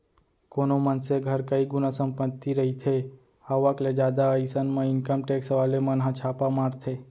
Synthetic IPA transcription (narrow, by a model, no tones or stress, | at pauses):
konomənseɡʱəɾkəiɡʊnasəmpət̪ːiɾəɦit̪ʰe | aʋakled͡ʒad̪aəisənmãɪŋkəmʈeksəʋalemənɦãt͡ʃʰapamãɾt̪ʰe